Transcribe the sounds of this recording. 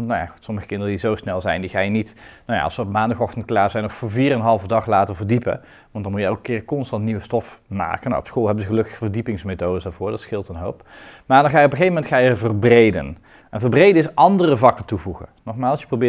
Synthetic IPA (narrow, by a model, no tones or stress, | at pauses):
nawja̰χu̥tsɔməχə̥kɪndərədizowsnɛlˠzɛjndiχaːjənitnawja̰ɑ̰lsəɔpmaːndɑχɔχtənt̚klaːɹzɛjnɔxfʊviːrɛnɦɑlˠvədɑχlaːtəɹvərdipə̰ | ʋɑntdɑnmujəowkəkɪːrkɔnstɑntniʋəstɔfma̰ːkəna̰wɔpsxolˠɦɛbənzəχəlɵkəxəvərdipɪŋsmejtowdəsdaːɹvʊːɹdɑtsxɪlˠtənɦowp | maːɹdɑnχaːjəɔpəχejvəmɛntχaːjəəvərbrejdə̰n | ʔɛnvərbrejdəɪsʔɑndərəvɑkəntuvuɣə̰nɔχmaːlˠsjə̥prowbɪː